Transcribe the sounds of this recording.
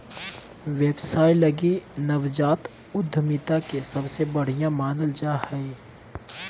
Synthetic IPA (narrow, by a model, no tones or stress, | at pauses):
ʋeːbsaːilɐɡinɐʋd͡ʒaːt̪ | ʊd̪ʱːəmɪt̪akesɐbsebɐɽ̤ijãmaːnəld͡ʒaːhɛi